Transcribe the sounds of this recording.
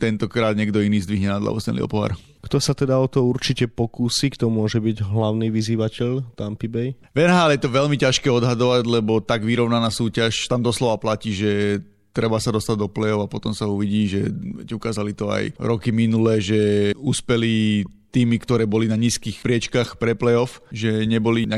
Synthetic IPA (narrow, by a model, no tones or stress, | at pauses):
t̪ɛnt̪ɔkɾaːd̪ɲɛɡd̪ɔiniːzd̪ʋiɦɲɛnad̪la̰ṵsɲɛ̰lḭɔ̰pɔɦa̰ɾ | kt̪ɔsat̪ɛd̪aɔt̪ɔuɾt͡ʃicɛpɔkuːsiːkt̪ɔmʊɔʒɛbiɟɦlaʊniːʋiziːʋacɛʎt̪ampibɛj | ʋɛnɦaːljɛt̪ɔʋɛʎmicaʃkɛːɔd̪ɦad̪ɔʋaɟlɛbɔt̪aɡʋiɾɔʊnanaːsuːcaʃt̪amd̪ɔslɔʋaplaciːʒɛ | t̪ɾɛbasad̪ɔst̪aɟd̪ɔplɛɔʊapɔt̪ɔmsauʋiɟiːʒɛʋɛ̰cukaːzalit̪ɔa̰jɾɔkiminulɛːʒɛuːspɛli | t̪iːmikt̪ɔɾɛːbɔlinaɲiːskiːxpɾɪɛt͡ʃkaxpɾɛplɛɔfʒɛɲɛbɔliɲa